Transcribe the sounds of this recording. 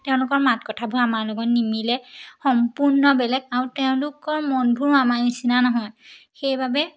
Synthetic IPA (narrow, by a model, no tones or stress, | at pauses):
tɛʊ̃lʊkɔɹmatkɔtʰabʱuɹamaɹlɔɡɔtnimilɛxɔmpuɹnɔbɛlɛɡaɹutɛʊ̃lʊkɔɹmɔnbʱuɹamaɹnisinanɔɦɔjxejbabɛ